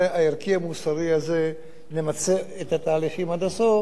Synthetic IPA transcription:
aiɾkiamusaʁiaze | nemat͡seet̪at̪aːliχimad̪aso

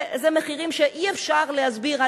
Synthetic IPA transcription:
zemeχiʁimʃeʔiefʃaʁlehazbiʁa

